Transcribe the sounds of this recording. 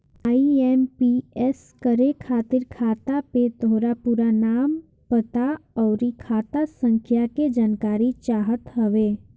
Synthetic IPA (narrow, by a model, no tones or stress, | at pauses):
aːiɛːmpiɛs | kəɾekʰaːt̪ɪɾkʰaːt̪apet̪oɾapuːɾanaːm | pət̪aɔːɾikʰaːt̪asə̃ŋkʰjaked͡ʒaːnkaːɾit͡ʃaːɦət̪ɦəʋeː